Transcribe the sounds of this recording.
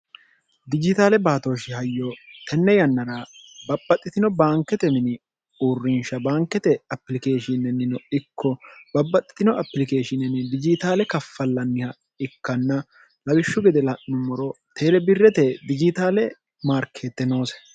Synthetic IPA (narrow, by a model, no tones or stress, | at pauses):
d̪ɪd͡ʒɪt̪aːlɛbaːt̪o̞ːʃɪhɐjːɔt̪ʰɛnːɛjɐnːɐɾaːbɐbːɐt̪ʼːɪt̪ɪnɔbaːŋkːɛt̪ɛmɪnɪ | uːrːɪnʃɐbaːŋkːɛt̪ɛɐpːlɪkeːʃɪnɛnːɪnɔɪkːɔbɐbːɐt̪ʼːɪ̥t̪ɪnɔɐpːlɪke̞ːʃɪnɛnɪd̪ɪd͡ʒɪt̪aːlɛkɐfːɐlːɐnːɪhɐ | ɪkːɐnːɐ | lɐwɪʃːʊɡɛd̪ɛlɐʔːʊmɔɾɔt̪ʰeːlɛbɪrːɛt̪ɛd̪ɪd͡ʒɪt̪aːlɛ | maːɾkʰːeːt̪ːɛno̞ːs